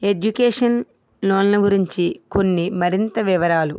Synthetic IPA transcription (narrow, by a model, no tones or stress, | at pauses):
e̞d͡ʒukeːʂɐn | loːnlɐɡuɾiɲt͡ʃiko̞nːimɐɾint̪ɐʋiʋɐɾaːlu